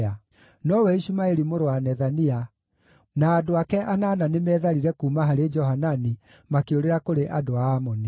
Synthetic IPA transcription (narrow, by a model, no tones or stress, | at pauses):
a | nɔwɛiʃumaeɾimoɾoanɛðania | naːdoakɛʔanaːnanemɛːðaɾiɾɛkumaɦaɾed͡ʒɔɦanani | makeoɾeɾakoɾeʔadoaːmɔni